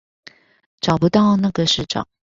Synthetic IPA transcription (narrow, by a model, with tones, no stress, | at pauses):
ʈ͡ʂɑ˨˩ʊpu˧˥t̪ɑ˥˧ʊna˥˩ɡə˩ʂɻ̩˥˩ʈ͡ʂɑ̰˨˩˦ŋ